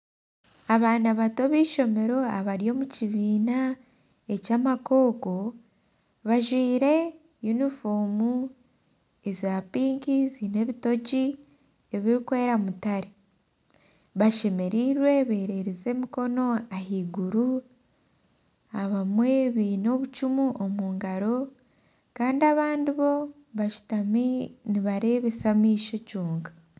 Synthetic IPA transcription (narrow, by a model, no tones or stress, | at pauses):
aβaːnaβatoβiːʃo̞me̞ɾo̞aβaɾijo̞muciβiːna | ecaːmako̞ːko̞ | βaʒwiːɾe̞ | junifuːmu | ezaːpiːŋkizine̞βito̞ɟi | eβiɾikwe̞ːɾamutaɾe | βaʃe̞me̞ɾiɾwe̞βe̞ːɾe̞ɾeze̞ːmiko̞no̞ahiɡuɾu | aβamwe̞βiːno̞βut͡ʃumuʔomuːŋɡaɾo̞ | kaːndiaβaːndiβo̞ | βaʃu̥taminiβaɾe̞ːβe̞samiːʃo̞cuːŋɡḁ